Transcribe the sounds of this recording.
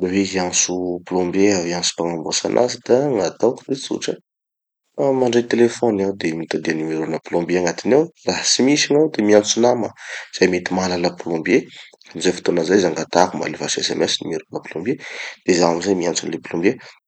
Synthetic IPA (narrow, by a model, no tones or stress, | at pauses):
baweɦiansuplõmbjeaviansu̥paŋambosa̰nʔa̰zid̪̥aŋat̪awku̥d̪et͡sṵʈ͡ʂə | maɳɖ͡ʐet̪elefonawd̪emit̪ad̪ianimiɾunaplõmbjeaŋat̪inewraɦt͡simisanawd̪emiant͡sunaməz̥ajmet̪imalaləpolõmbje | amizajfi̥t̪onəzajzaŋɡat̪akuma̰levasesɛ̰mɛsinimiɾunəplõmbjed̪̥ezaamizajmiant͡sunleplõmbje